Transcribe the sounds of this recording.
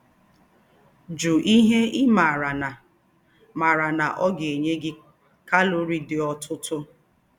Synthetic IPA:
d͡ʒu˨ʔi˦ɦe˦ʔɪ˦ma˨ɾa˨n˨ | ma˨ɾa˨na˨ʔɔ˦ɡe˨ɲe˦ɡɪ˦ | ka˦lo˦ɾi˦dɪ˨ɔ˦tʰʊ˦tʰʊ˦

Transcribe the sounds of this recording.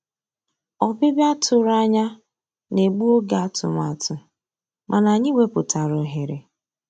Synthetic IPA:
ɔ˨bɪ˦ba˦tʰʊ˨ɾa˦ɲa˦ | ne˨ɡ͡bu˦o˦ɡa˨a˦tʊ̰˨ma˨tʊ˨ | mʔa˨na˨ɲɪ˦we˦pʊ˨ta˨ɾʊ˨ɦe˨ɾe˨

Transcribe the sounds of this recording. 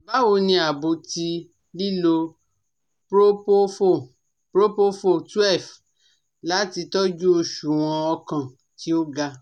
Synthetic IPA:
ba˦wo˧nĩ˧a˨bo˨ti˧ | li˦lo˧ | pɾo˦po˦fo˦˨ | pɾo˦po˦fo˦˨tu˦ɛ˦˨f | la˨˦ti˧tɔ˦d͡ʒu˦o˧ʃu˨w̃ɔ̃˧ɔ˧kã˨ | ki˨˦o˦ɡa˧

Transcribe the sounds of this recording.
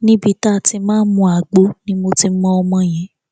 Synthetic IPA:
nĩ˦bi˧ta˦˨ti˧mãː˦n̩˦mũ˧a˨ɡ͡bo˨˦nĩ˦mo˧ti˧˦mɔ̃˦ɔ˧mɔ̃˧j̃ɛ̃˨˦

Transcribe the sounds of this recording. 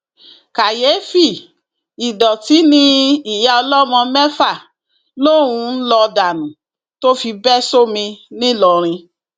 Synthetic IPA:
ka˨je˨˦fi˦˨ | i˨dɔ˨ti˨˦nĩ˧i˨ja˧ɔ˧lɔ˦mɔ̃˧mɛ˦fa˦˨ | lo˦ɾ̃ũ˧n̩˦lɔ˧da˨nũ˨ | to˦fi˧bɛ˦so˦mĩ˧nĩ˦lɔ˨ɾ̃ĩ˧

